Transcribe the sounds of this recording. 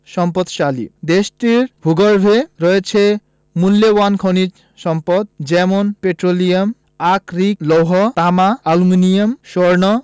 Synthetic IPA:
ʃɔmpɔd̪ʃalḭd̪eʃʈiɾbʱuɡoɾbʱeɾɔjet͡ɕʰe | mulːewankʰonid͡ʑ | ʃɔmpɔd̪̚d͡ʑɛmonpeʈɾolijam | akɾiklowɦɔt̪amaaluminijamʃoɾnɔ

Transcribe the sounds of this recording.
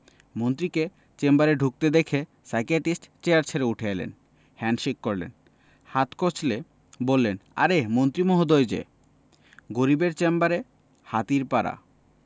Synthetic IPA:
mont̪ɾike | t͡ɕembaɾeɖʱuk̚t̪ed̪ekʰe | sajkeʈisʈt͡ɕejaɾt͡ɕʰeɾeuʈʰeelḛn | hɛnʃikːoɾlḛn | hat̪kot͡ɕʰle | bolːena̰ɾemont̪ɾimoɦod̪ojd͡ʑḛ | ɡoɾibeɾt͡ɕembaɾe | hat̪iɾpaɾa̰

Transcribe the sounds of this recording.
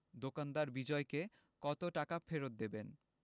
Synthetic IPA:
d̪okand̪aɾbid͡ʑɔeke | kɔt̪oʈakafeɾot̪̚d̪eben

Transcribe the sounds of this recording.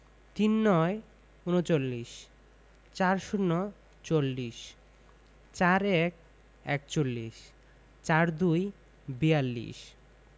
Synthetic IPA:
t̪inːɔe | unot͡ɕolːiʃ | t͡ɕaɾʃunːo | t͡ɕolːiʃ | t͡ɕaɾɛk̚ | ɛkt͡ɕolːiʃ | t͡ɕaɾd̪uj | bijalːḭʃ

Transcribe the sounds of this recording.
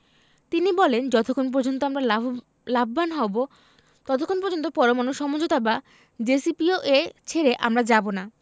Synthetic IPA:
t̪inibɔlend͡ʑɔt̪okʰonp̬ɔɾd͡ʑont̪oamɾal | labʱbanɦɔbo | t̪ɔt̪okʰonpɔɾd͡ʑont̪̬opɔɾomanoʃɔmod͡ʑot̪aba | d͡ʑesipioʔet͡ɕʰeɾeʔa̰mɾad͡ʑabona

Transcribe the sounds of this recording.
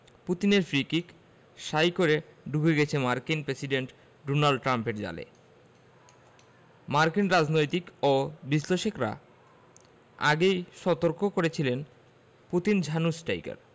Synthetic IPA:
put̪ineɾfɾikik | ʃajkoɾeɖuɡʱeɡɛt͡ɕʰemaɾkinpɾesiɖeɳʈ | ɖonalɖʈɾampeɾd͡ʑa̰lḛ | maɾkinɾad͡ʑnojt̪ikobiʃleʃekɾa̰ | a̰ɡejʃɔt̪oɾkokoɾet͡ɕʰilen | put̪ind͡ʑʱanusʈa̰jka̰ɾ

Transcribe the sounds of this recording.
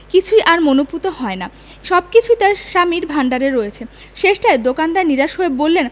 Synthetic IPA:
kit͡ɕʰujʔaɾmonoput̪oɦɔena | ʃɔb̚kit͡ɕʰuit̪aɾʃamiɾbʱaɳɖaɾeɾːoet͡ɕʰe | ʃeʃʈaed̪okand̪aeniɾaʃoebolːen

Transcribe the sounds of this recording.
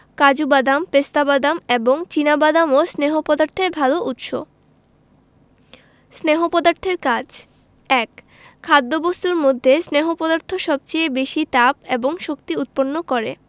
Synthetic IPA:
kad͡ʑubad̪ampest̪abad̪ameboŋt͡ɕinabad̪amosneɦopɔd̪aɾt̪ʰeɾbʱaloʔut̪ʃo | sneɦopɔd̪aɾt̪ʰeɾkad͡ʑ | ɛk | kʰːad̪ːobost̪uɾmod̪ʱːesneɦopɔd̪aɾt̪ʰoʃɔb̚t͡ɕeebeʃit̪apeboŋʃokt̪iut̪̚ponːokɔɾe

